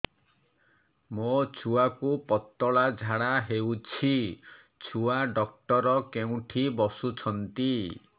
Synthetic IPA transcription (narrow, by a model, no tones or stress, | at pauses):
mot͡ʃʰuakupɔt̪ːɔɭad͡ʒʱaɽaɦewt͡ʃʰi | t͡ʃʰuaɖɔk̚ʈɔɾɔkeũʈʰibɔsut͡ʃʰɔnt̪i